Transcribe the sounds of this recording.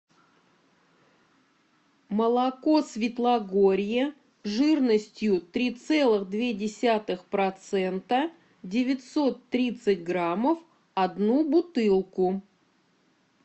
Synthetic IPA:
məlˠɐko̞svʲɪt̪lˠɐɡoɾʲjɪ | ʐɨrnəsʲtʲjʊt̪ɾʲit̪sɛlˠɨɣd̪vʲedʲɪsʲat̪ɨxpɾɐt̪sɛnt̪ə | dʲɪvʲɪt̪ʲso̞t̪ːɾʲit̪sɨtʲɡɾaməf | ɐd̪nubʊt̪ɨlˠkʊ

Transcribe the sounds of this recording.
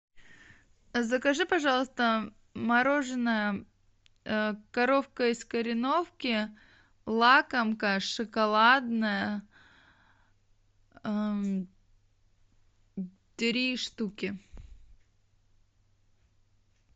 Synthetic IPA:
zəkɐʐɨpɐʐɑlˠəst̪ə | mɐɾo̞ʐɨnəjə | kɐɾofkəɪskəɾʲɪnofkʲɪ | lˠakəmkəʂɨkɐlˠad̪nəjə | t̪ʲɾʲiʂt̪ukʲɪ

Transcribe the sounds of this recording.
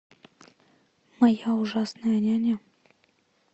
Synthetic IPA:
mɐjauʐasnəjənʲanʲa

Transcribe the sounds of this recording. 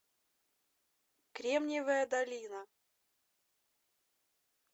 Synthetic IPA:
kɾʲemnʲɪvəjəd̪ɐlʲinə

